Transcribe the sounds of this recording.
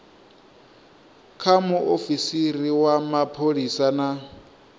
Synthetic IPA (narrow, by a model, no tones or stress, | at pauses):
kʰamʊʔofisiriwamapʰoɺisana